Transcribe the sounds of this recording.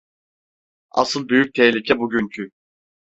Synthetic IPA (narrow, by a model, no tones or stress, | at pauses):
a̰sɯlˠbyjyc̚t̪ʰɛçlʲicʰɛbuɟyncʰy